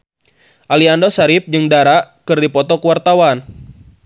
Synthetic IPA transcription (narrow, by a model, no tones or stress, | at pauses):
ʔaliandosaɾip̚d͡ʒɨŋdaɾaʔkɨrdipɔt̪ɔkəwart̪awan